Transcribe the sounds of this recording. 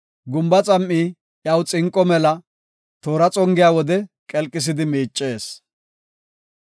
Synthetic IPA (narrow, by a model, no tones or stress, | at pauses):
ɡʊmbɐt͡sʼɐmʔːiː | jɐwt͡sʼɪŋkʼːɔmɛlɐ | t̪oːɾɐt͡sʼɔŋɡɪjaːwɔd̪ɛkʼɛlkʼːɪs̬ɪd̪ɪmiːt͡ʃʼːe̞ːs